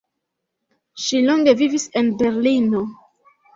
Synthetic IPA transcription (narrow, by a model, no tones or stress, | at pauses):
ʃiloŋɡe̞vivise̞nbe̞ɾlino̞